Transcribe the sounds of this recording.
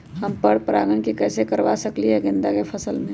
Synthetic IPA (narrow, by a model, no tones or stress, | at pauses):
ɦɐmpəɽpɾa̰ːɡəɳkikɛːsekɐɾʋasɐkliɦɛɡɪ̃nd̪akefʰɐsəlmẽ